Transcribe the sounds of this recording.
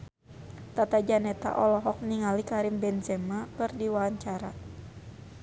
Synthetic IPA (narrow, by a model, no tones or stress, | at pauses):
t̪at̪ad͡ʒanɛt̪a̰ʔɔlɔɦɔk̚niŋalikaɾimbɛnzɛmakɨrdiwaaɲt͡ʃaɾa